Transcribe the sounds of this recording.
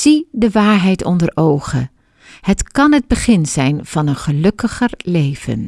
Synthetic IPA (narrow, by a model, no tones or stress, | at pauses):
z̥idəʋaːɹɦɛjtɔndəɹʔowχə | hətkɑnɦəd̚bəχɪnzɛjnv̥ɑnənχəlɵkəχəɹlejv̥ə̰n